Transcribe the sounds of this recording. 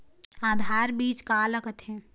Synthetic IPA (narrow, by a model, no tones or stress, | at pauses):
aːd̪ʱaːɾbiːt͡ʃkaːləkət̪ɦɛ̃ː